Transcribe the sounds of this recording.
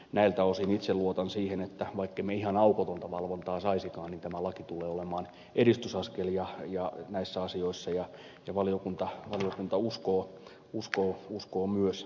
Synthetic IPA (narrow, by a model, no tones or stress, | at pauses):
næilt̪æosinit̪selluot̪ɑnsiːhenet̪ːæʋɑikːeimeihɑnɑukot̪ont̪ɑʋɑlʋont̪ɑːsɑisikɑːnnint̪æmælɑkit̪ulˑeːolemˑɑːn | erist̪ysɑskeljɑjɑnæisːæɑsioisːɑjɑ | jɑʋɑlijokunt̪ɑʋɑlijokunt̪ɑuskoː | uskoːuskoːmyøs